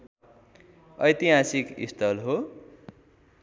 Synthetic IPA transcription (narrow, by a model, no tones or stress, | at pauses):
ʌjt̪iɦasikḭst̪ʰʌlɦo